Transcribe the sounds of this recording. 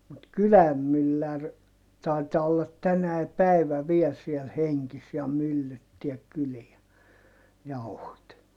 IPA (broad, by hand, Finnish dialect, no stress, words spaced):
mut kylæm mylːær tɑi̯tɑː olːɑt tænæi pæiʋæ ʋiɛl siel heŋkis jɑ mylːytːiæk kyliæ jɑuhot